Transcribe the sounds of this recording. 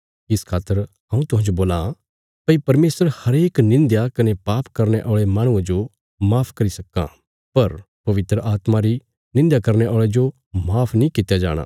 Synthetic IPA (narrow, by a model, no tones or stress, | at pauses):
ɪskʰaːt̪ːəɾ | ɦɐ̃ũt̪ʊɦãnd͡ʒoboːla | pɐipɐɾmeːsəɾhɐɾeːknɪ̃nd̪jakɐnepaːpkɐɾneʔɔːɭemãːɽ̃ʊ̃ãd͡ʒo | maːpʰkɐɾisɐkːã̰ | pɐɾ | pɐʋɪt̪ɾəʔaːt̪maɾi | nɪ̃nd̪jakɐɾñeʔɔːɭed͡ʒo | maːpʰnĩkɪt̪ːjad͡ʒa̰ːɽ̃a̰ː